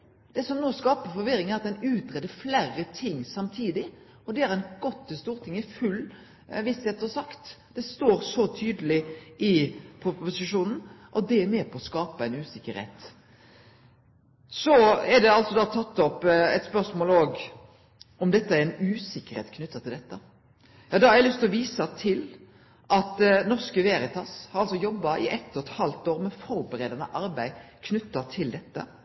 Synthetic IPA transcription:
d̪̥ɛsɔmnoːskɑːpəfɔɾʋɪɾɪŋæɾɑt̪̚d̪ɛnʉːt̪ɾɛd̪ːəɾflærːət̪ʰɪŋːsɑmt̪ʰiːd̪ɪ | ɔd̪ɛæɾɛnɡɔt̪ːɪst̪uːɾt̪ʰɪŋːɪfʉlː | ʋɪst̪ɛːt̪ːɔsɑkt̪d̪̥ɛst̪oːɾsɔt̪ʰyːd̪əlɪʔɪpʰʊpʊsɪʃuːnn̩ʔɔd̪ɛæɾmeːpʰɔɔskɑːpɑɛɪnʉːsɪkːəɾhɛ̰ɪt̪ | sɔɛd̪ɛɑlt̪sɔd̪ɑːt̪ʰɑt̪ːɔpɛt̪spœʂmoːloːɡ | ʔɔmd̪ɛt̪ːəæɾɪnʉːsɪkːəɾhḛːt̪kʰnʉt̪ːɑt̪ɪld̪ɛt̪ːə | jɑːd̪ɑɑɾæɪlʏst̪lɔʋiːsɑt̪ʰɪl | ʔɑt̪nɔʁskəʋeːɾɪt̪ʰɑshɑɾɑlsɔjɔbːɑʔɪʔɛt̪ːɔt̪hɑlt̪oːɾmɛfɔɾbəɾeːd̪ɑnə̰ʔɑɾbæɪkʰnʉt̪ːɑt̪ʰɪld̪ɛt̪ːə̰

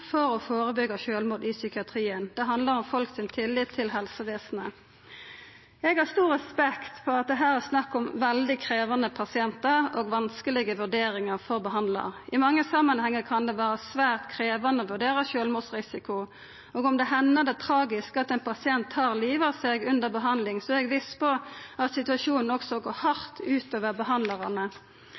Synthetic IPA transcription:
fɔɾɔfoːɾəbʏɡəʃøːlmuːd̪ɪsʏkɪɑt̪ʰʁiːənd̪̥ɛɦɑnd̪ləʁɔmfɔlksɪnt̪ʰɪlːɪt̪ʰːɪlɦɛlsəʋeːsnə | ɛɡhɑʁst̪uːɾɛspɛkt̪pʰɔɑt̪̚d̪ɛɦæːʁɛsnɑkːɔmʋɛld̪ɪkʰɾeːʋɑnəpʰɑsɪɛnt̪əʁoːɡʋɑnskəlɪɡəʋʉd̪eːɾɪŋəʁfɔʁbəɦɑnd̪lɑ̰ʁʔɪmɑŋːəsɑmːɑnhɛŋːəkʰɑnd̪ɛʋæːɾəsʋæːʁt̪kʰɾeːʋɑnəɔʋʉɖeːʁəʃøːlmuːdsʁɪsɪkʊ | oːɡɔmd̪ɛɦɛnːəd̪ɛt̪ʰɾɑːɡɪskɑt̪ɛnpʰɑsɪɛnt̪hɑːʁliːʋɑseːɡʉnd̪əɾbəɦɑnd̪lɪŋsɔɛɡʋispʰɔɑt̪sɪt̪ʉɑʂuːnn̩ɔksɔɡoːhɑɾt̪ʉːt̪oːʋəʁbəɦɑnlɑʁɑnə

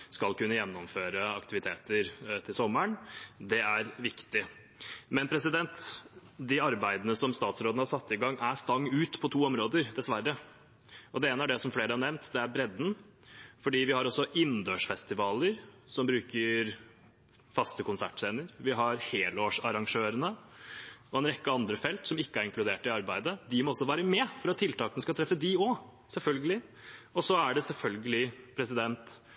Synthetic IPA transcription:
skɑlkʉnːəjɛnːɔmføːɾəɑkt̪ɪʋɪt̪ʰeːt̪əɾt̪ʰɪlsɔmːəɳd̪ɛæɾʋɪkt̪ɪ | mɛnpʰɾɛsɪd̪ɛnt̪d̪ɪɑɾbæɪd̪ənəsɔmst̪ɑːt̪sɾoːd̪̩hɑɾsɑt̪ːɪɡɑŋːæst̪ɑŋːʉːt̪pʰɔt̪ʰuːɔmɾoːd̪əɾd̪ɛsʋæɾːə | ɔd̪ɛeːnəæɖɛsɔmfleːɾəhɑɳɛʋnt̪d̪ɛæɾbɾɛd̪n̩ | fɔɖiːʋɪhɑɾɔsːɔʔɪnd̪øːʂfɛst̪ɪʋɑːləɾ | sɔmbɾʉːkəɾ | fɑst̪əkʊnsæ̰ʈseːnəɾʋɪɦɑɾheːloːʂɑɾɑŋʂøːɾənə | ɔɛnɾɛkːəɑnd̪ɾəfɛlt̪sɔmɪkːəæɾɪŋklʉd̪eːʈɪɑɾbæɪd̪əd̪ɪmɔɔsːɔʋæːɾəmɛfɔɾɑt̪ʰːɪlt̪ʰɑːkənəskɑt̪ʰɾɛfːəd̪iɔ | sɛlfœlɡəlɪ | ɔsɔæɖɛsɛlfœlɡəlɪpʰɾɛsɪd̪ɛnt̪

